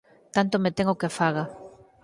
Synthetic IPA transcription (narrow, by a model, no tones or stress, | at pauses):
t̪ant̪omet̪eŋokefaɣa